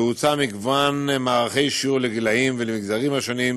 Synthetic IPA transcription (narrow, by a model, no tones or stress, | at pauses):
ut͡samiɡvanmaːʁaχe̞jʃiuʁleɡilaimvelemiɡzaʁimhaʃo̞nim